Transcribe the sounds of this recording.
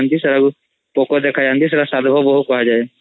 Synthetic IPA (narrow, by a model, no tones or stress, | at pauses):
nd̪isəɾəɡ | poːkod̪eːkʰad͡ʒaːnd̪is̬ɐɾasaːd̪bʱəbəɦʊkɔɦad͡ʒaːe